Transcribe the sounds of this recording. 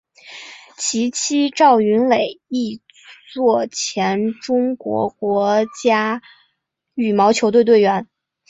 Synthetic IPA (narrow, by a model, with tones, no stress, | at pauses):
t͡ɕʰi˧˥t͡ɕʰi˥ʈ͡ʂɑ˥˩ʊy˧˥nle˨˩ɪi˥˧ | t͡swɔ˥˩t͡ɕʰjɛ˧˥nʈ͡ʂʊ˥ŋkwɔ̰˧˥kwɔ˧˥t͡ɕja˥ | y˨˩mɑ˧˥ʊt͡ɕʰjo˧˥ʊt̪we˥˧ɪt̪we˥˩ɪɥɛ˧˥n